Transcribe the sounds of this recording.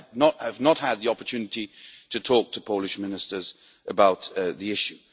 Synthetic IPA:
nəthəvnət̚həd̪̚ðiɒpətʰʉːnɪtitʰətʰɔˑk̚tʰəpʰoʊlɪʃmɪnɪstəz | ʔəbaʊt̪ðiɪʃʉ

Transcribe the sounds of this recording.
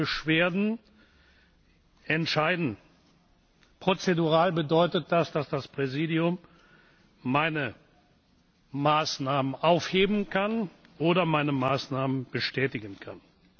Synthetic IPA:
bəʃv̥eːɐdn̩ | ɛntʃaɪdn̩ | pʁ̥ot͡seduʁaːlbədɔʏtət̚d̥asd̥asd̥aspʁ̥ɛziːdiʊmː | aɪnə | maːsnaːmənʔaʊfheːbm̩kʰan | ʔoːɾɐmaɪnəmaːsnaːmənb̥əʃtɛːtɪɡənkʰa̰n

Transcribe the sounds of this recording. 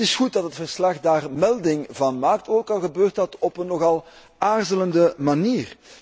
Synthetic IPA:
ɪsxut̚dɑtɦətfərslɑxdaːrmɛlˠdɪŋvɑnmaːk̚toːkɑlˠɣəbøːrtdɑtɔpənːɔɣɑlˠ | aːrzələndəmaniːr

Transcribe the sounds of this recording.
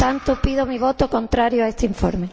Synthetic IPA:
t̪ant̪ʊpiðomiβot̪okont̪ɾaɾjoaest̪eiɱfo̰ɾme

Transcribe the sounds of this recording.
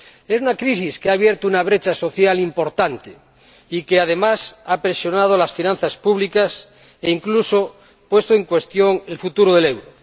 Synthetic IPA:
esunakɾis̬iskeaβ̞jeɾt̪ounaβ̞ɾet͡ʃaso̞θjalimpo̞ɾt̪ant̪e | ikeað̞e̞masapɾesjo̞nað̞olasfinãn̟θaspuβlikas | eiŋkluso | pwe̞st̪oeŋkwe̞st̪jo̞ŋelfut̪uɾoðelewɾo

